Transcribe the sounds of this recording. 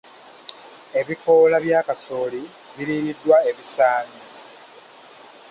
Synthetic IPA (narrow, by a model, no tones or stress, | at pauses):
e̞βiko̞laβjaːkasoːli | βiliːɾidːwaeβisaːni